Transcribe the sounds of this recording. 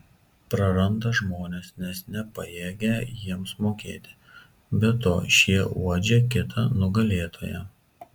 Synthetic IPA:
pɾɐɾɐnd̪ɐʒmoːnʲeːsnʲɛsnʲɛpɐjeːɡʲɛjiɛmsmoːkʲḛːt̪ʲɪ̥ | bʲɛt̪o̰ːʃʲiɛuɔd͡ʒʲeːkʲɪt̪ʰɐnʊɡɐlʲeːt̪ʰoːjɛ̰

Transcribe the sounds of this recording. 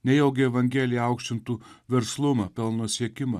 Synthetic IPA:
nʲɛjɛʊɡʲɪɛʋɐŋʲɡʲɛːlʲɪjɛɑˑʊkʃʲt͡ʃ̪ʲɪnt̪uːʋʲɛɾslˠʊmɐpʲɛlˠnoɔsʲiɛkʲɪmɐ

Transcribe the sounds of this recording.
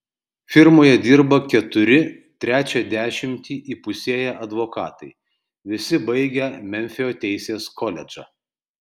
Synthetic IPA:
fʲɪɾmoːjɛd̪ʲiːɾbɐkʲɛt̪ʊɾʲɪ | t̪ʲɾʲæːt͡ʃʲɛd̪ʲæːʃʲɪmʲt̪ʲiːʔiːpʊsʲiɛjɛʔɐd̪ʋokɑːt̪ɐɪ | ʋʲɪsʲɪbɐɪɡʲɛmʲɛmʲfʲɪjoːt̪ʲɛɪsʲeːskɔlʲɛd͡ʒɑ̰ː

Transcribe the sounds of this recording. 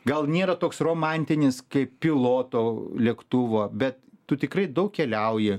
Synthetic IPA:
ɡɐlˠnʲeːɾɐt̪oːksroːmɑnʲt̪ʲɪnʲɪskɐɪppʲɪlˠoːt̪oːlʲiɛkt̪ʊʋoːbʲɛt̪tʊt̪ʲɪkrɐɪd̪ɐʊkkʲɛlʲɛʊjɪ

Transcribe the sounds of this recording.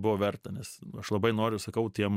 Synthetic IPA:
bʊʋoːʋʲɛrt̪ɐnʲɛsɐʃlˠɐbɐɪnoːɾʲʊsɐkɐʊt̪ʲiɛm

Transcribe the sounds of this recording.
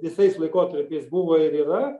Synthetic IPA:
ʋʲɪsɐɪslˠɐɪkoːt̪ɐɾʲpʲɛɪsbʊʋɐːɪɾiːɾɐ

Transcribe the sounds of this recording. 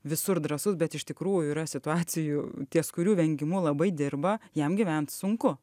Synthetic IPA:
ʋʲɪsʊɾd̪ɾɐsʊsbʲɛt̪ɪʃʲt̪ʲɪkɾuːjʊiːɾɐsʲɪt̪ʊɑːt͡s̪ʲɪjut̪ʲiɛskʊɾʲuːʋʲɛŋʲɡʲɪmulˠɐbɐɪd̪ʲɪrbɐjɛmɡʲɪʋʲɛnt̪sʊŋkʊ

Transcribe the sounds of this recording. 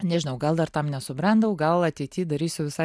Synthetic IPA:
nʲɛʒʲɪnɐʊɡɐlˠd̪ɐrt̪ɐmnʲɛsʊbʲɾɑnd̪ɐʊɡɐlˠɐt̪ʲɛɪt̪ʲiːd̪ɐɾʲiːsʲʊʋʲɪsɐ

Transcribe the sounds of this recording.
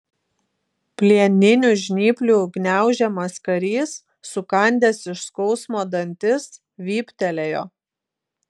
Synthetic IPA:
pʲlʲiɛnʲɪnʲʊʒʲnʲiːpʲlʲuːɡnʲæˑʊʒʲɛmɐskɐɾʲiːsː | ʊkɐnʲd̪ʲeːsɪʃskɔʊsmoːd̪ɐnʲt̪ʲɪs | ʋʲiːpʲt̪ʲɛlʲejo̰ː

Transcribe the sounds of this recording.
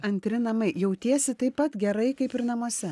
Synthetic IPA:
ɐnʲt̪ʲɾʲɪnɐmɐɪjɛʊt̪ʲiɛsʲɪt̪ɐɪpːɐt̪ɡʲɛɾɐɪkɐɪpɪɾnɐmuɔsʲɛ

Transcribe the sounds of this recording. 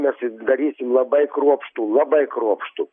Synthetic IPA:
mʲɛsɪd̪ɐɾʲiːsʲɪmlˠɐbɐɪkɾuɔpʃt̪uːlˠɐbɐɪkɾuɔpʃt̪u

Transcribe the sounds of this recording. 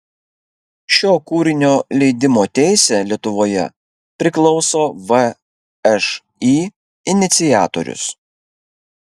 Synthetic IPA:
ʃʲoːkuːɾʲɪnʲoːlʲɛɪd̪ʲɪmoːt̪ʲæˑɪsʲeːlʲiɛt̪ʊʋoːjɛ̰ | pʲɾʲɪklˠɒʊsoːʋə | ɛʃ | iː | ɪnʲɪt̪sʲɪjæːt̪o̰ɾʲʊ̰s

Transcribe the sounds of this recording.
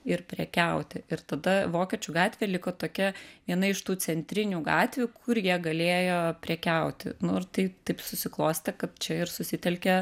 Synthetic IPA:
ɪɾpʲɾʲɛkʲɛʊt̪ʲɪʔɪɾt̪ɐd̪ɐʋoːkʲɛt͡ʃʲʊɡɑːt̪ʲʋʲeːlʲɪkoːt̪oːkʲɛʋʲiɛnɐɪɪʃt̪uːt͡s̪ʲɛnʲt̪ʲɾʲɪnʲuːɡɑːt̪ʲʋʲukʰʊɾjiɛɡɐlʲeːjoːpʲɾʲɛkʲɛʊt̪ʲɪ̰nʊɪrt̪ɐɪt̪ɐɪpsʊsʲɪklˠoːsʲt̪ʲɛkɐt̪̚t͡ʃʲɛɪɾsʊsʲɪt̪ʲɛlʲkʲɛ

